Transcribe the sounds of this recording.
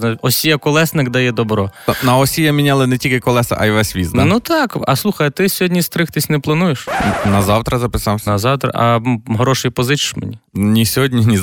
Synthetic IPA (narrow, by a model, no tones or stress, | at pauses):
nɔsʲijɐkɔlˠɛsnɪkd̪ɐjɛd̪ɔbɾɔnɐɔsʲijɐmʲinʲalˠɪnɛtʲilʲkɪkɔlˠɛsɐ̰ʔɐjʋɛsʲʋʲizd̪ɐnut̪ɑkɐ̰slˠuxɐjɐt̪ɪsʲɔɦɔdʲnʲist̪ɾɪxt̪ɪsʲnɛplˠɐnujeʃnɐzɑwt̪ɾɐzɐpɪsɑwsnɐzɑwt̪ɾɐ̰ʔɐ̰ɦɾɔʃɪjpɔzɪt͡ʃɪ̥ʃmḛnʲinʲisʲɔɦɔdʲnʲinʲi